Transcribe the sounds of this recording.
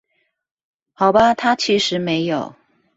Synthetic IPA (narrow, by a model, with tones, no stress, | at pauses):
xɑ˨˩ʊbɐ˦t̪ʰa˥t͡ɕʰi˧˥ʂɻ̩˧˥me˧˥ɪjo˨˩˦ʊ